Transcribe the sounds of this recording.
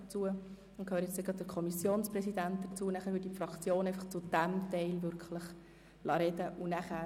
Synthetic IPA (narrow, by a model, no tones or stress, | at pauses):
t͡suə | ʊnkʰhøːɾjɛt͡seɡɾɑd̚dəɾkʰɔmisjoːnsprɛsid̪ænt̪̚d̪ət͡suənæχæːɾʋɪɾdifrɑkt͡sjoːnɛɪfɑχt͡sud̥æmtɛɪlvʏɾkʰləχ | lʔɑɾɛdəʔunæχæː